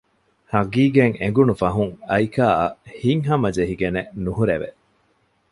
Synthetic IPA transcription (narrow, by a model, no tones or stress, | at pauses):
hɐɡiːɡeŋeŋɡunufɐɦuŋɐjkaːɐ̰hiŋɦɐmɐd͡ʒeɦiɡenenuɦuɾeʋḛ